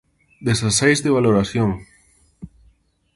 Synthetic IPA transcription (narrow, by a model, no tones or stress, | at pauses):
d̪esasejzðeβ̞aloɾaθjoŋ